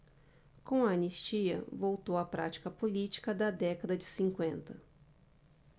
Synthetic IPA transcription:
kõɐanist͡ʃiɐ̰vowt̪owɐpɾa̰t͡ʃi̥kɐpolit͡ʃi̥kɐd̪ɐd̪ɛkɐd̪ɐd͡ʒɪsĩŋkwẽnt̪ɐ

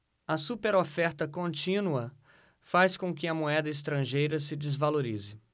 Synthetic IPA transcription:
ɐsupeɾofɛɾt̪ɐkõnt͡ʃĩnuɐ | faskõkɪɐmoɛd̪ɐɪs̬t̪ɾɐ̃ʒejɾɐsɪd͡ʒɪzvaloɾizɪ

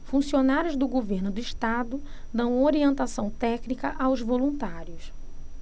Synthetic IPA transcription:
fũsionaɾjʊzd̪ʊɡoveɾnʊd̪ʊiʃt̪ad̪ʊ | d̪ɐ̃w̃oɾiẽnt̪asɐ̃w̃t̪ɛknikɐʔawzvolũt̪aɾjʊs

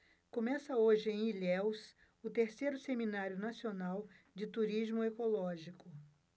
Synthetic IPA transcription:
kõmɛsɐoʒɪẽj̃ilɛws | ʊt̪eɾsejɾʊseminaɾjʊnasionaw | d͡ʒɪt̪uɾizmʊekolɔʒikʊ

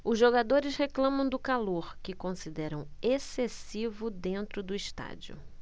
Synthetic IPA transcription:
ʊzʒoɡad̪oɾɪsheklɐ̃mɐ̃w̃d̪ʊkaloɾkɪkõsid̪ɛɾɐ̃w̃esesivʊd̪ẽnt̪ɾʊd̪ʊiʃt̪a̰d͡ʒiʊ̰

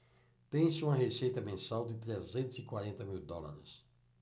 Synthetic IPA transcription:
t̪ẽj̃sɪũmɐɦesejt̪ɐmẽsawd̪ɪt̪ɾezẽnt̪ʊzɪkwaɾẽnt̪ɐmiwd̪ɔla̰ɾɪ̰s

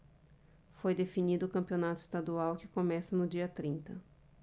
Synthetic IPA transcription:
fojd̪efinid̪ʊːkɐ̃mpionat̪ʊɪ̥st̪ad̪uawkɪkomɛsɐnʊd͡ʒiɐt̪ɾĩnt̪ɐ̰

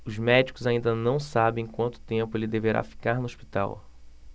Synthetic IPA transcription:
ʊzmɛd͡ʒikʊzaĩnd̪ɐnɐ̃w̃sabẽj̃kwɐ̃nt̪ʊ̥t̪ẽmpʊelɪd̪eveɾʔa̰fi̥kaɾnʊoʃpi̥t̪a̰w

